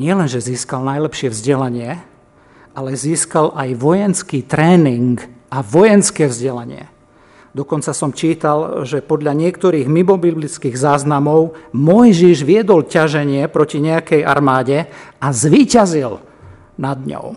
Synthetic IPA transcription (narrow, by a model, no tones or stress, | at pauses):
ɲɪɛlɛnʒɛziːskalnajlɛpʃɪɛvzɟɛlaɲɪɛ | alɛziːskalʔajʋɔjɛnskiːt̪ɾɛːniŋɡʔaʋɔjɛnskɛːvzɟɛlaɲɪɛ̰ | d̪ɔkɔnt͡sasɔmt͡ʃiːt̪alʒɛpɔd̪ʎaɲɪɛkt̪ɔɾiːɣmimɔbiblit͡skiːɣzaːznamɔʊmɔjʒiʒʋɪɛd̪ɔlcaʒɛɲɪɛpɾɔciɲɛakɛja̰ɾmaːɟɛazʋiːcazil | nad̪ɲɔ̰ʊ